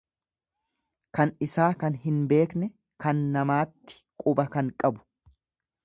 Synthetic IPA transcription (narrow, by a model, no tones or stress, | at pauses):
kɐnɪsaːkɐnɦɪnbe̞ːknɛ | kɐnːɐmaːt̪ːɪ̥kʼʊbɐkɐŋkʼɐbʊ̥